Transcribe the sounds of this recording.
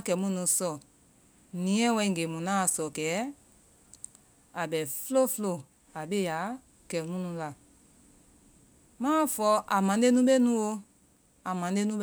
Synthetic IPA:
kɛ˨˦mũ˦nũ˨˧sɔ˨ | nĩ˨˦ɛ̃˦wɛ̃˧ĩ˦˨ŋɡe˨mũ˨nã˦˨sɔ˨kɛː˨˦ | a˨ɓɛ˨flo˦flo˨ | a˨ɓe˦ja˨˦ | kɛ˨mũ˦nũ˨la˨ | mãː˦fɔ˧˦ʔa˨mã˨˦de˦nũ˦ɓe˦nũ˦wo˧ | a˨mã˨˦e˦nũ˦

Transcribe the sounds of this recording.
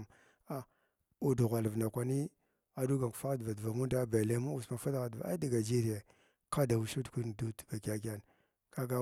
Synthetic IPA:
a˦ | u˨du˨ɣʷa˨lə˨vna˨kʷa˨ni˦ | a˨du˦ɡa˨ŋku˨fa˦ɣdva˨dva˨mu˦nda˦ba˨le˦mu˦u˨sma˨fa˦da˦ɣa˨dva̰˨a̰˦da˨ɡa˨d͡ʒi˦ɾi˨je˨ | ka˦da˨wu˨ʃu˦tkʷi˦n˨du˦tva˨ka˨ɡa˦n | ka˦ɡa˦

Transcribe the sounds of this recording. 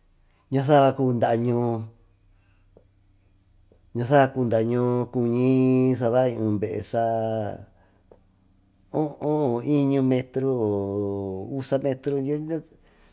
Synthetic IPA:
ɲã˧θa˦˨βa˧kuː˧nd̪a˧˨˧ɲũː˧ | ɲã˧θa˦βa˧kuː˧nd̪a˧˨˧ɲũ˧ku˧ɲĩ˧˦θa˧βa˦ĩ˧ũ˨˧˨mbe˨ʔḛ˧˨ʂa˧ | õ˦ʔõ˦õ˧i˦ɲũ˧mẽ˧t̪ɾu˦˨u˦sa˧mẽ˧t̪ɾu˧no˦ɲã˦

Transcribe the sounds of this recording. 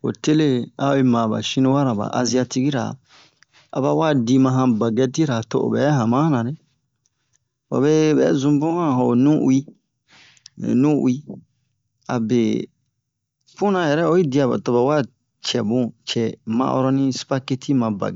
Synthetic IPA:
o̰˨te˦le˦a˦o˨i˦mã˨ba̰˨ʃĩ˦nĩ˦wa˦ɾã˨ba̰˨ʔa˨zi˦a˧ti˦ki˦ɾa̰˨ | a̰˨ba˦wa˦di˧mã˧ɦã˧ba˨ɡɛ˦ti˦ɾa˨to˦˨ʔo̰˨bɛ˨˦ɦã˨mã˦nã˨ɾe˦ | ba̰˨βe˦bɛ̰˨˦zũ˦bũ˦hã˦˨ɦɔ˨nũ˦ṵ˦i˦˨ | nũ˦w̰i˦ | a̰˨be˨ | fũ˦nã˨jɛ˨ɾɛ˦o˦i˦di˨˦a˨ba̰˨to˨ba˨˦wa˦ | t͡ʃɛ˨bũ˦t͡ʃɛ˨mã̰˦ʔɔ̰˦ɾɔ˦nĩ˦si̥˦pa˦ke˦tʰi˦mã˨ba̰˨ɡɛ

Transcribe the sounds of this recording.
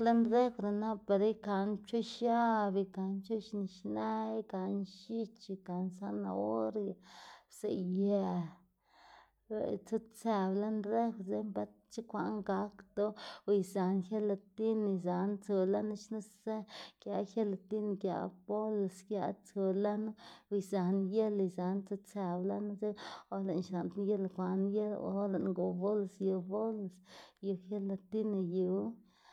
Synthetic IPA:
le˦nɾe˦kɾa˨na˦pa˨ɾa˦jka˨nt͡ʃo˦ʃja˦bi˧ka˨nt͡ʃo˦ʃni˨ʃne˦ka˨nʃi˦t͡ʃi˧ka˨nsa˦na̰˧o˦ɾja˨sḛ˨ja˧˨ | t͡su˦t͡sa˨ble˦nɾe˦kze˧˦mba˦ | t͡ʃi˦kʷa˨ʔŋɡa˨˦kt̪o˦˧˨jza˨nxje˦la˧t̪i˦ni˨za˨nt͡su˨˧la˦na˦t͡ʃna˦ze˦kja˧xe˦la˨t̪i˦n˧ɡja̰˨bo˦lskja̰˧˦t͡so˧la˦nu˦u˧˨jza˨nje˦li˧za˨˧nt͡su˦t͡sa˨bla˦n˦ze˦o˧le˨nʃa˨nt̪je˦lkʷa˨nje˦lo̰˧˦le˨ʔŋɡo˨bo˦lsju˧bo˦lsju˧xje˦la˧t̪i˦na˧ju˨˧˦

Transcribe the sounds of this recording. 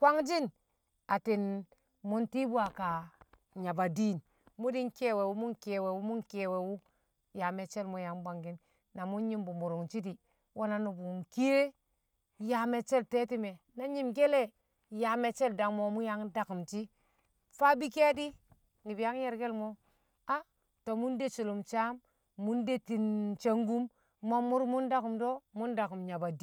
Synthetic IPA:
kwa˦ŋd͡ʒi˦n | a˨ti˨n | mu˦nti˦bu˦a˨ka˨ | ɲa˨ba˨di˦˨n | mu˦di˦ŋke˦˨we˨wu˦mu˦ŋke˨we˨wu˦mu˦ŋke˨we˨wu˦ | ja˨me˨t͡ʃe˦lmo˦ja˨˦ŋba˨ŋɡi˦n | na˨mu˦n˦ɲi˦mbu˨mu˨ɾu˨ŋt͡ʃi˦di˨ | wʔo˦na˨nu˨bu˨ŋki˦e˦ | ja˨me˨t͡ʃe˦lte˦ti˦me˨ | na˦ɲi˦mɡe˦le˦ | ja˨me˨t͡ʃe˦lda˨ŋmo˨mu˦ja˦ŋda˨ku˨mt͡ʃi˦ | fa˦bi˦ke˦di˦ | ni˨bi˨ja˦ŋje˦ɾɡe˦lmo˦ | a˦ | to˨mu˦nde˦t͡ʃu˨lu˨mt͡ʃa˦mː | u˦nde˦ti˨nt͡ʃe˦ŋɡu˦m | mo˦mːu˦ɾmu˦nda˦ku˨mdo˦mu˦nda˨ku˨mɲa˨ba˨d

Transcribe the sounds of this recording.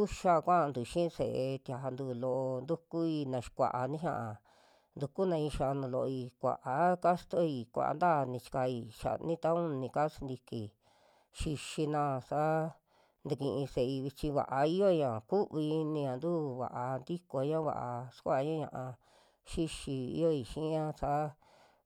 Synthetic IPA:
u˦ʃa˦˧kʷã˦˧nd̪u˨ʃĩ˦˧sḛ˨e˧t̪ja˧nd̪uː˧˨lo˧ʔo˧nd̪u˦ku˦i˧nã˧ʃi̥˧kʷa̰˨ʔa˧nĩ˦ʃã̰˧ʔa˨ | nd̪u˧ku˦nã˧ĩ˧ʃa˧nũ˧lo˧ʔo˧i˧kʷa̰˨ʔa˨˦ka˦st̪o˦i˧˨kʷa̰˨ʔa̰˧nd̪a˦˨nĩ˧t͡ʃi̥˧ka˧i˧ʃa̰˨nĩ˦t̪a˦ũ˦nĩ˧ka˦si˧nd̪i˧ki˨ | ʃi˧ʃi˧nã˧sa˦ | nd̪u˧kĩ˧ʔĩ˧se˧˨˧i˧βi˧t͡ʃĩ˧βa̰˨ʔa˧i˦jo˦˧ɲã˨ku˦βi˧nĩ˧ã˨nd̪uː˦βa̰˨ʔa˧nd̪i˦ko˧˦ɲã˦βa̰˧ʔa˧ʃkʷa˦ʔɲã˦ɲã̰˧ʔã˧ | ʃi˦ʃi˧ḭ˦jo˦i˧˨ʃĩ˦ɲã˦sa˦

